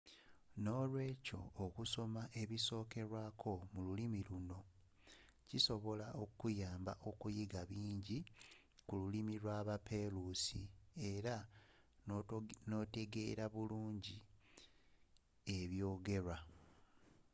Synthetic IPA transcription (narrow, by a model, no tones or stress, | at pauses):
no̞ːlwe̞ːco̞̰ːkuso̞maʔe̞βiso̞ːke̞ɾwaːkʰo̞mululimiluno̞ | ciso̞βo̞laokujaːmba̰ʔo̞kujiɡaβiːɲɟi | kululimilwaβape̞ɾusie̞ɾa | no̞te̞ɡe̞̰ːɾaβuluːɲɟi | e̞βjo̞ːɡe̞ɾa